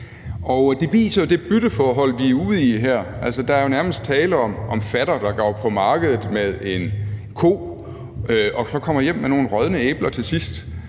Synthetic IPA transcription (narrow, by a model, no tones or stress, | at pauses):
ɒ̽ʊd̥e̝ʋḭːsɐjo̝d̥e̝b̥yɾ̥əfɒːɦɒ̽l̰ʋiuð̰ˠiɦæɐ̰æl̰sɒd̥ɑ̈æɐjo̝næɐməsd̥̚t͡sʰɛːləɒ̽mʔɒ̽mfæɾ̥ɐd̥ɑ̈ɡ̥ɒɒb̚pʰɒ̽mɑ̈ːɡ̥əð̞ˠð̩ˠmeð̞ˠe̝nkʰo̝̰ː | ɒ̽sɒ̽kʰɒ̽m̰ɐjem̰meno̝ːn̩ʁɶð̞ˠnəeːb̥lɐt͡sʰe̝lsisd̥